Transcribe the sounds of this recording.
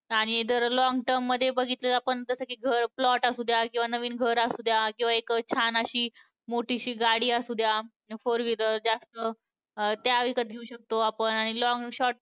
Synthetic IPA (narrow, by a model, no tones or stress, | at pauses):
aɽ̃id̪əɾlɔŋɡʈəɾmːəd̪ʱːjebəɡʱit̪ləapəɳd͡z̪əsəkiːɡʱəɾplɔʈasud̪ʱjakĩw̃ʋanəʋiːnɡʱəɾasud̪ʱjakĩw̃ʋaekt͡ɕʰanaɕiː | moʈʰiɕiːɡaɽiːasud̪ʱja | foɾʋiləd͡ʑast̪ə | t̪jaʋikət̪̚ɡʱeuɕək̚t̪oapəɳaɽ̃ilɔŋɡɕɔʈ̚